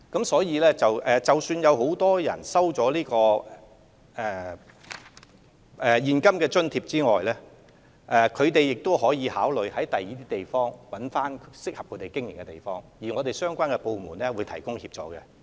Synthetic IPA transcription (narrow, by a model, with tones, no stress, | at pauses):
kɐ˨˥msɔː˨˥jiː˨˧lɛː˥t͡sɐ˨wʔɛː˨t͡sɐ˨wsyː˧njɐ˨˧who˨˥wt̪ɔː˥jɐ̰˨˩nsɐ˥wt͡ʃɔː˨˥liː˥kɔː˧ | ɛ˨˩ | ʔɛ˨jiː˨nkɐ˥mkɛː˧t͡ʃɵ˥nt̪ʰiː˧p̚t͡siː˥ŋɔː˨jlɛː˥ | ʔɛː˨kʰɵ˨˧ɥt̪e˨jːɪ˨k̚t̪o˥wɦɔː˨˥jiː˨˧haː˨˥wlɵ˨ɥhɐ˨˥jt̪ɐ˨jiː˨˥t̪ʰiː˥t̪e˨jfɔː˥ŋwɐ˨˥nfaː˥nsɪ˥k̚hɐ˨p̚kʰɵ˨˧˥t̪e˨˩jkɪ˥ŋjɪ˨˩ŋkɛ˧t̪ḛ˨˩jfɔː˥ŋji˨˩ŋɔː˨˧t̪e˨˩jsœː˥ŋkʷwaː˥nkɛ˧po˧wmuː˨˩nɛ˥wuː˨˧jt̪ʰɐ˨˩jkʊ˥ŋhiː˧p̚t͡ʃɔ̰ː˨˧˥kɛ̰˧